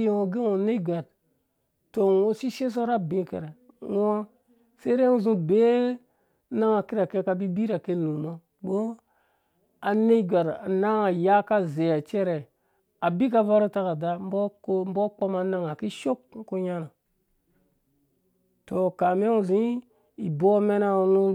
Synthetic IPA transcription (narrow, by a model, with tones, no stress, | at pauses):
i˦ŋo˨ɡe˦ŋo˨ne˦ɡʷa˨d̚ | to˨ŋo˦si˦ʃe˦s̬o˦ɾa˦bĩ˦kḛ˨ɾe˨ | ŋ˦a˦ | se˦ɾe˦u˦zũ˦be˦ | na˦ŋa˨ki˦ɾa˨ke˦ka˨bi˦bi˦ɾa˨ke˦lu˨no˦ | bo˦ | a˨ne˦ɡʲʷa˨ɾa̰˨na˦ŋa˨ja˦ka˦ze˨ja˨t͡ʃe˦ɾe˨ | a˨bi˦ka˦va˦ɾo˦ta˦ka˨da˦m˦bo˦km̩˦bo˦k͡po˦ma˨na˦ŋa˨ki˦ʃo˦k̚ŋ̩˦ku˦ɲa˦na˨ | to˨ka˨me˦u˨zĩ˦ | i˨bo˦me˦na˦u˦nu˦